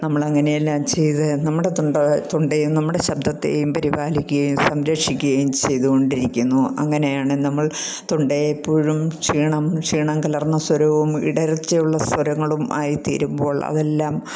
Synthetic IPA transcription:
nɐmːɐɭɐŋːɐnejelːaːmt͡ɕe̞jt̪ɨnɐmːuɽe̞t̪oɳɖɐt̪oɳɖejumnɐmːuɽe̞ɕɐb̚d̪ʱɐt̪ːḛːjumpɐɾibaːlikʲːuɣɐjumsɐmɾɐkʂikʲːuɣɐjumt͡ɕe̞jðuɣo̞ɳɖiɾikʲːunːuɐ̰ŋːɐne̞jaːɳɨnɐmːɐɭ | t̪oɳɖejepːoːɻumt͡ɕiːɳɐmt͡ɕiːɳɐmkɐlɐrnːɐswɐɾɐʋumḭɽɐɾɐt͡ɕːɐjuɭːɐswɐɾɐŋːɐɭumʔa̰ːjit̪ḭːɾumbo̞ːɭɐ̰ðe̞lːaːm

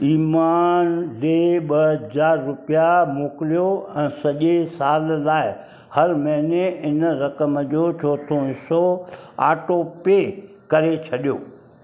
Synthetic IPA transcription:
iːmaːnleːɓɐɦəzaːɾːʊpijamoːkɪlijoɛ̃ːsɐʄesaːllaːɪ | hɐɾmɐɦneɪnəɾɐkəmd͡ʑoːt͡ɕʰoːt̪ʰoɦɪsoa̰ːʈopeː | kɐɾet͡ɕʰɐɗijoː

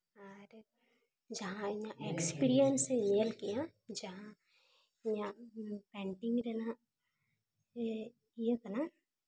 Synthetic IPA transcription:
aɾ | d͡ʒɐɦãɲãʔekspiːɾijənsenelkijãd͡ʒɐɦã | ɲãpɛ̃ːɳʈɪ̃ŋɡɾenã | ijekɐnã

